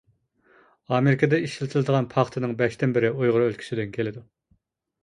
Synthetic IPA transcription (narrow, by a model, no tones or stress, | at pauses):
ɑːmeɾɪkʰəd̪ɛiʃilɪt̪ʰɪlˠɨd̪əʁɑnpʰɑχt̪ʰɨnɨŋbɛʃt̪ɪnbɪɾɪojʁʊɾølkʲʰy̥sɪd̪ɪnkʲʰelɪd̪u